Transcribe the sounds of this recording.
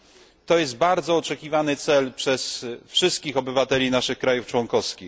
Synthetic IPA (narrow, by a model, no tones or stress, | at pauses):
t̪ɔjɛs̬d̪̚baɾd̪zɔːt͡ʂɛkʲivanɘt̪sɛlpʂɛsfʂɘst̪̚kʲixɔbɘvat̪ɛlʲinaʂɘxkɾajuft͡ʂwɔŋkɔfskʲi